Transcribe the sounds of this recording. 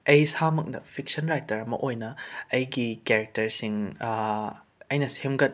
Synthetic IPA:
ɐjsamɐk̚nɐ̰pʰik̚sɐnɾajtɐɾɐmɐ̰ʔojnɐɐjɡikeɾɐk̚tɐɾsiŋ | ɐjnɐsemɡɐt̚

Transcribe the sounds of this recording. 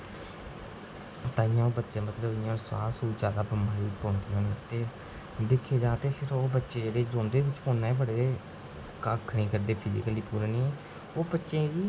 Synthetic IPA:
t̪aːɪjãːoːbətːʃẽːmət̪ləbɪjãːsa̰ːsuːt͡ʃaːd̪aːbəmaːiːpõːnd̪iõːnẽːt̪eː | d̪ɪkʰːeːd͡ʒãːt̪eːpʰɪɾoːbətːʃeːɾeːd͡ʒõːnd̪eːʋɪt͡ʃfʰoːnːaːbəɽeːeː | kaːkʰːɽẽːkəɾd̪eːpʰɪd͡ʒɪ̰kəliːpuːɾeːnĩːɛ̃ː | oːbətːʃẽːiː

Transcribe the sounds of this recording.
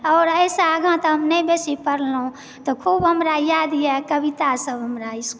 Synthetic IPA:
ɔːɾəjsaɡãt̪əɦəmnɛbesipəɾlɦũ | t̪ɔkʰubɦəmɾajad̪ijɛkəbit̪asəbɦəmɾaisk

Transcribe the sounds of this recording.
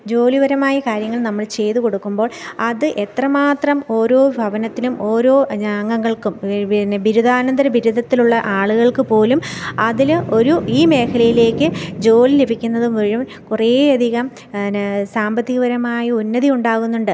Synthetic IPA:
d͡ʑo̞ːliʋɐɾɐmaːjikaːɾjɐŋːɐɭnɐmːɐɭt͡ɕe̞jt̪uko̞ɽukːumbo̞ːɭɐðɨʔe̞t̪rɐmaːt̪rɐmo̞ːɾo̞ːbʱɐʋɐnɐt̪ːilumʔo̞ːɾo̞ːɲaːŋɡɐŋːɐɭkumbʱiɾud̪aːnɐnd̪ɐɾɐbʱiɾud̪ʱɐt̪ːiluɭːɐʔaːɭuɣɐɭkɨpo̞ːlumɐðilo̞ɾuiːme̞ːkʰɐlɐjile̞ːkʲːɨd͡ʑo̞ːlilebʱikʲːunːɐðumʋɐɻum | kure̞ːɐd̪ʱiɣɐm | saːmbɐt̪ːiɣɐʋɐɾɐmaːjiunːɐðiuɳɖaːɣunːuɳɖɨ

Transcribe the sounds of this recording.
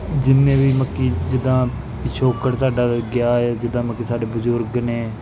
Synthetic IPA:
d͡ʒɪnːẽːʋiːməkːiːd͡ʒɪd̪ãː | ʃʰoːkəɽsaːɖaːɡjaːeːd͡ʒɪd̪ãːməkːiːsaːɖeːbəzʊɾɡnẽː

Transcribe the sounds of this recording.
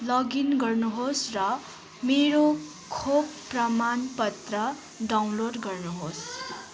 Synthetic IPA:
lʌɡinɡʌrnuɦosrʌ | meɽo | kʰobprʌmanpʌt̪rʌ | ɖaw̃nloɖɡʌrnuɦos

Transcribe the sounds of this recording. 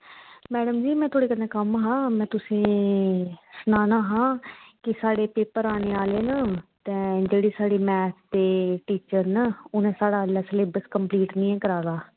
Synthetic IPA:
mɛːɖəmd͡ʒiːmɛ̃ːt̪ʰoːɽeːkənẽːkəmɦãːmɛ̃ːt̪ʊsẽː | sənaːnaːɦãːkɪsaːɽeːpeːpəɾaːneːaːleːnaːt̪ɛ̃ːd͡ʒeːɽiːsaːɽeːmɛːt̪ʰd̪eːʈiːt͡ʃəɾnaːʊnẽːsaːɽaːlaːsəlebəskəmpliːʈnĩːɛ̃ːkəɾaːɡaː

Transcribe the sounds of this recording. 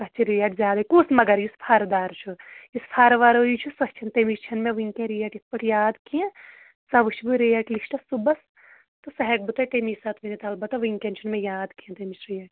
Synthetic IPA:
kɐt͡ʃʰiɾijaːʈzʲjaːd̪akuːsmɐɡɐɾjispʰaːɾd̪aːɾt͡ʃʰujispʰaːɾʋaːɾojit͡ʃʰusɐht͡ʃʰɐnt̪emist͡ʃʰɐnmẽʋiŋkʲẽɾijaːʈit̪̚ʰpɐʈʰjaːd̪kijẽ | sɐʋɨt͡ʃʰbuɾijaːʈlisʈɐsubɐs | t̪usɐɦɛk̚bɨt̪ɐʈemisɐt̪ʋinit̪ɐlbɐt̪ːɐʋiŋkent͡ʃʰɐnmẽjaːd̪kijẽnt̪ɐmisɾijaːʈ

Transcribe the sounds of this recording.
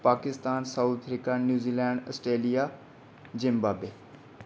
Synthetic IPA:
paːkɪst̪aːnsaut̪ʰəfɾikanjuːziːlɛ̃ːɳɖəsʈɾeːlijaː | d͡ʒɪ̃mbaːbeː

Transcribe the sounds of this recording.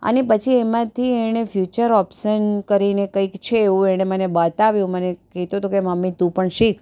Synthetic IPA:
ə̰nepət͡ʃʰiemãt̪ʰieɽ̃efjut͡ʃəɾɔpʃənkəɾinekəikt͡ʃʰeːũeɽ̃emənebat̪aʋjũmənekit̪õt̪okeməmːit̪ũpəɳʃik

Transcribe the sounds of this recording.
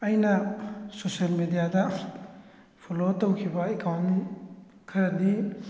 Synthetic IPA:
ɐjnɐsoselmedijadɐ | pʰolotːowkʰibɐekawn | kʰɐɾɐni

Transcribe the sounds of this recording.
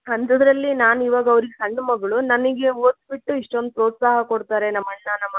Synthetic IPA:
ɐnt̪ɐd̪ɐɾɐlːinaːnuiːʋaːɡɐɐʋɾiɡesɐɳːɐmɐɡɐɭunɐnɐɡe̞oːt̪biʈːuiʂʈo̞nd̪upɾoːt̪saːɦɐkoɽt̪aːɾe̞nɐmːɐɭnanɐmːɐ

